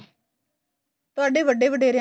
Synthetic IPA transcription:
t̪ʊaːɖeːʋəɖeːʋəɖeːɾɪjã

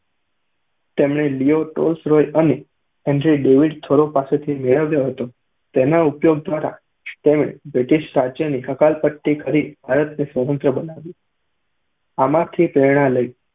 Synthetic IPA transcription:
t̪emɳ̃elioʈo̰lsɾojəne | ɛ̃ɳɖɾiɖeʋiɖt̪ʰoɾopaset̪ʰimeɭəʋjoɦət̪o | t̪enaupjoɡ̚d̪ʋaɾa̰ | t̪emɳ̃ḛbɾɪʈiʃʈɾad͡ʒjəniəkalpəʈːikəɾibʱaɾət̪nisʋəmənt̪ɾəbənaʋĩ | amãt̪ʰipɾeɾɽ̃ãləi

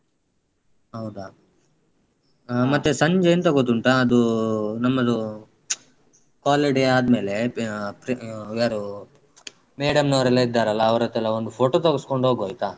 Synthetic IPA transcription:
ɦɐwd̪a | mɐt̪ːesɐɲd͡ʒɐjnt̪ɐɡot̪ːuɳʈaːd̪unɐmːɐd̪u | kaːleːɖiaːd̪me̞ːlepɾaːɾu | meːɽɐmnɐʋɾɛlːɐid̪ːaːɾɐlːɐːʋɐɾɐt̪ːɛlːɐond̪upʰoːʈoːt̪oɡɐskoɳɖoːɡoːjt̪a

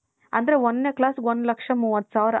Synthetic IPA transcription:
ɐ̰nd̪ɐɾeʋɐnːeklaːsɡʋonlɐkʂɐmuːʋɐt̪ːsaːʋɾ

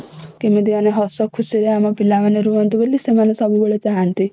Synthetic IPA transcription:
kemed̪ianeɦɔsɔkʰusiɾeamɔpilamaneɾuɔnt̪ibelːisemanesɔbuboɭet͡saɦant̪i

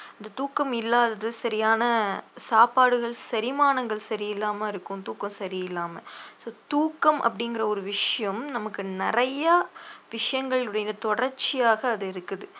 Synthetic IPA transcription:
ɪnd̪ɐt̪uːkːɐmɪlːaːðɐðɯsɐɾɪjaːnɐsaːpaːɽɯɣɐɭsɐɾɪmaːnɐŋɡɐɭsɐɾɪjɪlːaːmɐɪɾɯkːɯ̃mt̪uːkːɐmsɐɾɪjɪlːaːmɐsoːt̪uːkːɐmʔɐ̰pːɐɽɪŋɡɪrɐɔɾɯʋɪʂɐjɐmnɐmɐkːɯnɪrɐjɐʋɪʂɐjɐŋɡɐɭɯɽɐjɐt̪ɔɽɐɾt͡ʃːɪjaːɣɐːðɯɪɾɯkːɯðɯ

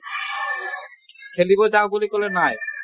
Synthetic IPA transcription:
kʰelibod͡ʑabolikolenaj

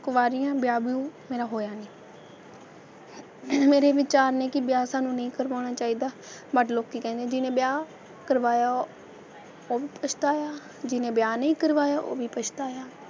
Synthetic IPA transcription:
kʋaːɾijãːbɪjaːbjũːmeːɾaːɦoːjaːniː | meːɾeːʋɪt͡ʃaːɾnẽːkɪbjaːsaːnũːnəĩːkəɾʋaːɽ̃aːt͡ʃaːiːd̪aː | bəʈloːkːiːkɛ̃ːnd̪ẽːd͡ʒɪnẽːbjaː | kəɾʋaːjaː | oːʋiːpət͡ʃʰt̪aːjaː | d͡ʒɪnẽːbjaːnəĩːkəɾʋaːjaːʔo̰ːʋiːpət͡ʃʰt̪aːjaː

